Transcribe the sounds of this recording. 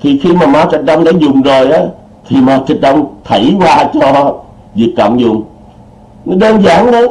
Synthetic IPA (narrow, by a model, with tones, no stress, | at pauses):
t̪ʰi˨˩xi˧maː˨˩maː˨˦t͡ɕi˨˩t̚ɗə˧wŋ͡mɗaː˧˦zʊ˨˩ŋ͡mzo˨˩jʔaː˨˦ | t̪ʰi˨˩maː˨˦t͡ɕi˨˩t̚ɗə˧wŋ͡mt̪ʰə˧˩˦jkwaː˧t͡ɕɔ˧ | vi˨˩ək̚ka̰˧˩mzʊ˨˩ŋ͡m | nɔ˨˦ɗəː˧nzaː˧˩ŋɗə˨˦